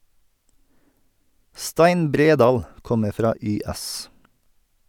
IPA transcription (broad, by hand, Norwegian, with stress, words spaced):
ˈstæɪn ˈbɾeːˌdɑːl ˈkɔməɾ ˈfɾɑː ˈyːˌæs